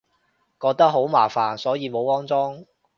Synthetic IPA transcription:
kɔː˧k̚t̪ɐ˥k̚ɦo˨˥wmaː˨˩faː˨˩nsɔː˨˥jiː˨˧mo˨˧wɔː˥ŋt͡sɔː˥ŋ

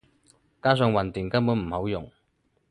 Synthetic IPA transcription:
kaː˥s̬œː˧ŋwɐ˨nt̪iː˨˩ŋkɐ˥mpuː˨˥nm̩˨˩hɐ˨˥wjʊ˨˩ŋ

